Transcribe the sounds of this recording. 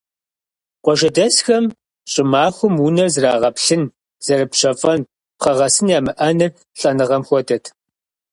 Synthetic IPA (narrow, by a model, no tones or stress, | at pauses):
qʷɔʒɐdɐsxɐm | ɕʼɪmaːxʷʊmunɐrzraːʁɐpɬɨn | z̥ɐrɨpɕɐfʼɐn | pχɐʁɐsɨnjaːmɨʔɐnɨr | ɬʼɐnɨʁɐmxʷɔdɐtʰ